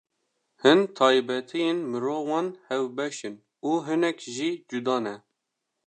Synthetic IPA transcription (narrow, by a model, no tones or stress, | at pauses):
hɨnt̪ʰɑːjbɛt̪ʰijenmɨɾoːwɑːnhɛwbɛʃɨn | uːɦɨnɛkʒid͡ʒud̪ɑːnɛ